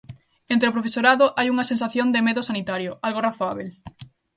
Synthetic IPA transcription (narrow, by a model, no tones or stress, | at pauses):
ẽnt̪ɾeopɾofesoɾaðoʔajuŋɐsensaθjond̪emeðʊsanit̪aɾjoalɣoraθoaβ̞el